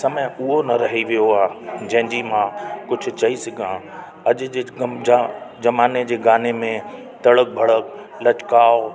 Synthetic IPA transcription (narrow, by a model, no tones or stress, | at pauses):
sɐmə̃ʊɦonɐɾɐɦiʋijoaːd͡ʑɐ̃ɦɪ̃d͡ʑimãkʊd͡ʑʱʊ̆t͡ɕɐisɪɡʱã | ɐʄʊ̆d͡ʑead͡ʑɐmaːned͡ʑeːɡaːnemẽ | t̪ɐɽək̚bʱɐɽək | lɐt͡ɕkaːo